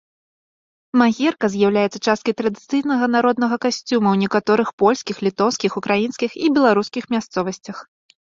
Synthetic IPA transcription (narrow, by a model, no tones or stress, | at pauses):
maɣʲɛrkɐzʲjawlʲajɛt̪sːɐt͡ʂast̪̚kɐjt̪ɾɐd̪ɨt̪sɨjnɐɣɐnaɾɔd̪nɐɣɐkasʲt͡sʲumɐwnʲɛkat̪ɔɾɨxpɔlʲskʲixlʲit̪ɔwskʲixukɾajinskʲixibʲɛlˠaɾuskʲixmʲast̪sɔvɐsʲt͡sʲɐx